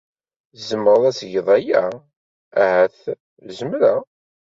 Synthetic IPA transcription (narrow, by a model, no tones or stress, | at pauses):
zəmːɾðˤæsʝəðˤæjæ | æhæθ | ləzəmɾa